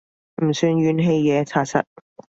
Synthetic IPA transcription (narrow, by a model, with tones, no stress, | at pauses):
m̩˨˩syː˧nɥyː˨˧nɦe˧jjɛː˨˧t͡sʰaː˧t̚sʰɐ̰˧t̚